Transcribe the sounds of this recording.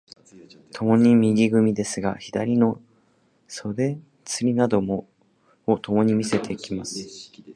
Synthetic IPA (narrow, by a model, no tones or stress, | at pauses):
t̪ʰo̞mo̞ɲ̟imʲiɡʲiɡɯ̟mʲid̪e̞sɨɡaçid̪aɾʲino̞ | so̞d̪e̞ | t͡sɨɾʲinad̪o̞mo | ot̪o̞mo̞ɲ̟imʲise̞t̪e̞kʲimasɨ̥